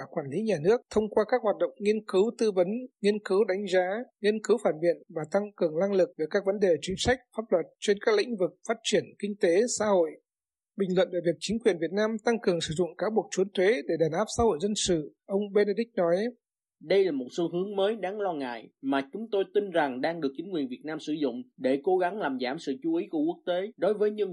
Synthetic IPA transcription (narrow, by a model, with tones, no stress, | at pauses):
kwaː˧˩nli˨˦ɲaː˨˩nɨ˦˥ək̚t̪ʰə˧wŋ͡mkwaː˧kaː˦˥k̚ɦhaː˨˩t̚ɗə̰˧˨wŋ͡mŋi˧ənkɨ˨˦wt̪ɨ˧və˨˦nŋi˧ənkɨ˨˦wɗa˨˦jŋ̟zaː˨˦ŋi˧ənkɨ˨˦wfaː˧˩nvḭ˧˨ənvaː˨˩t̪a˧ŋkɨ˨˩əŋla˧ŋlɨ˨˩k̚ve˨˩kaː˦˥k̚və˨˦nɗe˨˩t͡ɕi˨˦ŋsa˦˥jk̟̚faː˦˥p̚lwə˨˩t̚t͡ɕe˧nkaː˦˥k̚lḭ̈˧˥ŋ̟vɨ˨˩k̚faː˦˥t̚t͡ɕi˧˩ənkï˧ŋ̟t̪e˨˦sa̰ː˧˦ho̰˧˨j | ɓï˨˩ŋ̟lwə̰˧˨nve˧˩vi˨˩ək̚t͡ɕï˨˦ŋ̟kwi˨˩ənvi˨˩ət̚naː˧mt̪a˧ŋkɨ˨˩əŋsɨ̰˧˩zʊ̰˧˨ŋ͡mkaː˨˦wɓək̚t͡ɕu˨˦ənt̪we˨˦ɗe˧˩ɗaː˨˩nʔaː˦˥p̚sa̰ː˧˦ho̰˧˨jzə˧nsɨ̰˧˨ | ʔə˧wŋ͡mɓe˧na˧ɗï̟˦˥nɔ˨˦j | ɗə˧jlaː˨˩mo˨˩t̚so˧˦ɦɨ˨˦əŋməː˨˦jɗaː˨˦ŋlɔ˧ŋa̰ː˧˨jmaː˨˩t͡ɕʊ˨˦ŋ͡mt̪o˧jt̪i˧nza˨˩ŋɗaː˧ŋɗɨ˨˩ək̚t͡ɕï˨˦ŋkwi˨˩ənvi˨˩ət̚naː˧msɨ̰˧˩zʊ̰˧˨ŋ͡mɗe˧˩ko˨˦ɣa˨˦ŋlaː˨˩mzaː˧˩msɨ̰˧˨t͡ɕu˨˦ʔi˨˦ku˧˩əku˦˥ək̚t̪e˨˦ɗo˨˦jvəː˨˦jɲɨ˧